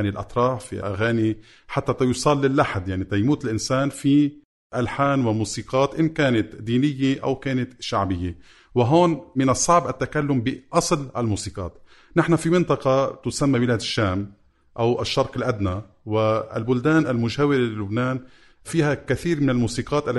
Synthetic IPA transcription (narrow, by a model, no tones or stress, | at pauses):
nilʔɑ̰t̪ɾˤɑːħfḭʔa̰ɣaːni | ħat̪ːat̪ajusˤɑlːɪlːaħd̪jaʕnit̪ajmuːt̪ɪlʔɪnsaːnfi | ʔalħaːnwɪmuːsiːqɑːt̪ʔɪmkaːnat̪d̪iːnɪjːeʔa̰wkaːnat̪ʃaʕbɪjːe | wɪɦoːnmɪnɑsˤɑʕbʔat̪ːakalːʊmbɪʔɑsˤlʔalmuːsiːqɑ̰ːt̪ | nɪħnafimɪnt̪ˤɑqɑt̪ʊsamːawɪlaːd̪ɪʃːaːm | ʔawʔaʃːɑɾˤqɪlʔad̪na | wɪɪ̰lbʊld̪aːnʔalmʊʒaːwɪɾelilʊbnaːn | fiːhakaθiːɾmɪnɪlmuːsiːqɑːt̪ʔalː